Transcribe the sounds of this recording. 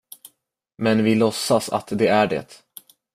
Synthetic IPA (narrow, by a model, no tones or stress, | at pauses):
mɛnvɪlɔsːasa̰t̪d̪ɛæɖɛ̰t̪